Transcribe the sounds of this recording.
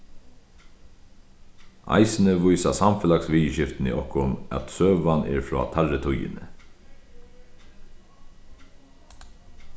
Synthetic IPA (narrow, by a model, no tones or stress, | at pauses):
a̰ɪsɪnəʋʊjsasamfɛlaksʋijʃɪft̪nḭʔɔhkʊmæ̰t̪søːʋanɛ̰ɹfɹɔ̰ːt̪ʰalːət̪ʰʊjɪ̰nə̰